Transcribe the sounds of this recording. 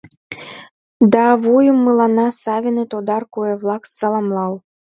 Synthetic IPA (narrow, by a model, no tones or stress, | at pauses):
d̪ɑβujumːɨlˠɑnɑsɑvʲinɨt̪od̪ɑrkuɛβlˠɑksɑlˠɑmlˠɑw